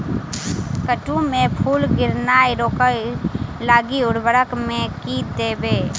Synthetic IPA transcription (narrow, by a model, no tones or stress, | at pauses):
kəʈũmẽpʰuːlɡɪɾnaːeɾoːkə | laːɡiʊɽbəɽəkmẽkid̪eːbeː